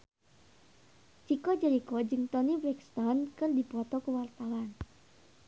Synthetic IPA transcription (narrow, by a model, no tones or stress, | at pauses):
t͡ʃikɔd͡ʒəɾikɔd͡ʒɨŋt̪ɔnibɾɛkst̪ɔnkɨrdipɔt̪ɔkəwart̪awan